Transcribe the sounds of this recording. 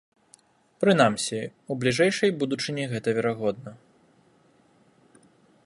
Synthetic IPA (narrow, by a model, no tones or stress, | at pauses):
pɾɨnamsʲiublʲiʐɛjʂɐjbud̪ut͡ʂɨnʲɛɣɛt̪ɐvʲɛɾaɣɔd̪̚nɐ